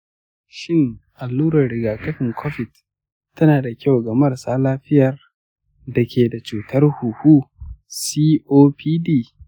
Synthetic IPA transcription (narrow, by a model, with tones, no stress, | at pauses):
ʃɪ˦ŋʔa˨lːuː˦ɾɐ˨rɽɪ˨ɡaː˨kʼɐ˦ɸɪ˨ŋkʰɔ˦ɸɪ˨t | tːɐ˦naː˨da˨kʲʰa˦˨wɡɐ˨mɐ˦˨rsaː˦laː˦ɸɪ˦jɐ˨r | da˨kʲʰeː˨da˨t͡ʃuː˨tʰɐ˦rhu˨hu˦siː˦ʔoː˦pʰiː˦diː˦˨